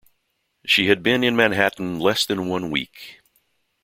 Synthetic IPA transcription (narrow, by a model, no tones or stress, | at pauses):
ʃiɨd̚bɪ̃nɨ̃nmæ̃nɦæʔn̩lɛsðɨ̃nwʌ̃nwḭk